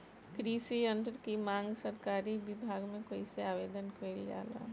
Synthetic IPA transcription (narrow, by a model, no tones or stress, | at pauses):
kɾiːsiə̃nt̪ɾkimãːŋɡsəɾkaːɾibɪbʱaːɡmẽkoːiseaːʋeːd̪ənkəilja̰ːla̰ː